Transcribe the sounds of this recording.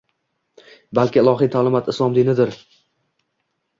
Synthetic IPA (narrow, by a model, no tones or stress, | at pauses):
balˠkʲɪɪlˠɒɦijt̪ʰaːlɪmat̪ɪslˠɒmd̪inɪd̪ɪɾ